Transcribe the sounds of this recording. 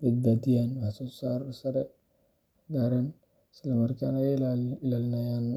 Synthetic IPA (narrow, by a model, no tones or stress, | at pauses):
bɐd̪̚baːd̪ɪjanwħasɔːsaːɾsɐɾɛ | ɡaːɾɐn | ɪslɐmɐrkaːnalaɪlaːlnajan